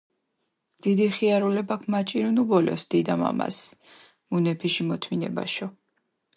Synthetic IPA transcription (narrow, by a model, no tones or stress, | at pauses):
d̪̥id̪iχiaɾulɛbakʰmat͡ʃʼiɾunubɔlɔ̰sd̪̥id̪ama̰ma̰s | munɛpʰiʃimɔt̪ʰminɛ̰ba̰ʃɔ